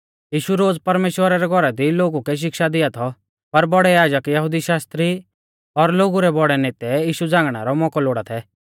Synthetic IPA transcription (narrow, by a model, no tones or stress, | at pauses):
jiːʃuɾoːd͡zpɐɾmeːʃwəɾaɾɛɡʱɔɾad̪iloːɡukɛʃ̬ɪkʃad̪ɪjat̪ʰɔ | pɐɾbɔɽɛjaːd͡ʒəkjɐɦud̪iʃaːst̪ɾi | ɔɾloːɡuɾɛbɔɽɛneːt̪ɛjiːʃud͡zãːŋɡɽ̃a̰ɾɔmɔkɔloːɽat̪ʰɛ